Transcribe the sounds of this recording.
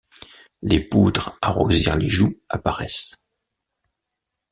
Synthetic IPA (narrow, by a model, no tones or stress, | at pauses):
lepud̪ʁaʁoziʁleʒuapaʁɛs